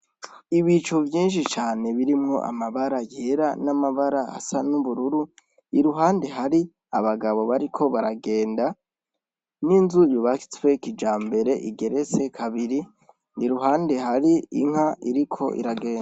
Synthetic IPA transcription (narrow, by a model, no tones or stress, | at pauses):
iβit͡ʃovjiːnʃ̬it͡ʃaːne̞βiɾimŋo̞̰ʔa̰maβaɾajieɾanamaβaɾaha̰sanuβuɾuɾu | iɾuɦaːnde̞ɦaɾi | aβaɡaβo̞βaɾikʰo̞βaɾaɡe̞ːnda | ninzujuβaki̥t͡swe̞kid͡ʒaːmbe̞ɾe̞ʔiɡe̞ɾe̞t͡se̞kʰaβiɾi | niɾuɦaːnde̞ɦaɾiḭŋ̥haiɾikʰo̞̰ʔḭɾaɡe̞ːnda